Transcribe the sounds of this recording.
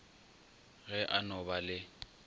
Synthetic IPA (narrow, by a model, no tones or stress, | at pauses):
ɣɛʔanɔbalɪ